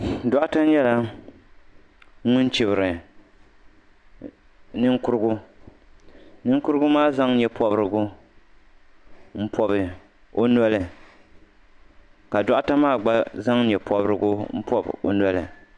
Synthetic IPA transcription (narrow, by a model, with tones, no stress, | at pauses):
dɔ˦ʔa˦ta˦n˦jɛ˦la˦ | ŋʊ˦n˦t͡ʃi˨bɨ˨ɾɨ˨ | nɨ˦ŋ˦kʊ˦ɾɨ˦ɡʊ˦ | nɨ˦ŋ˦kʊ˦ɾɨ˦ɡʊ˦maː˦za˦ŋ˦ɲɛ˨pɔ˨bɾɨ˦ɡʊ˦ | m̩˦pʰɔ˦bɨ˨ | o˦nɔ˦lɨ˨ | ka˨dɔ˦ʔa˦ta˦maː˦˨ɡ͡ba˦za˦ŋ˦ɲɛ˨pʰɔ˨bɾɨ˦ɡʊ˦m̩˦pʰɔ˦b̰o̰˨nɛ˦lɨ˨